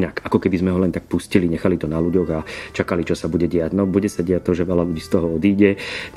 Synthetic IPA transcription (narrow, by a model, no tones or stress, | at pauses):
nakakɔkɛbizmɛɦɔlɛnt̪ak̚pusciliɲɛxalit̪ɔnaluɟɔɣat͡ʃakalit͡ʃɔsabuɟɛɟɛaɟnɔbuɟɛsaɟɛat̪ɔʒɛʋɛlaluɟiːst̪ɔɦɔɔd̪iːɟɛ